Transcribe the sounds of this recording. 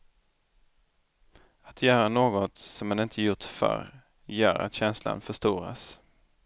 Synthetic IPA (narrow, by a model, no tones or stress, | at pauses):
at̪ʰjœːɾanoːɡɔt̪sɔmɛnɪnt̪ʰəjʊt̪fœ̰ɾ | jœ̰ːɾa̰t̪ɕɛnsla̰nfœʂt̪uːɾa̰s